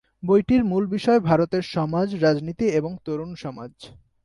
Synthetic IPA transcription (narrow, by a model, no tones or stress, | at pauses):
bojʈiɾmulbiʃɔebʱaɾot̪eɾʃɔmad͡ʑɾad͡ʑnit̪ieboŋt̪oɾunʃɔma̰d͡ʑ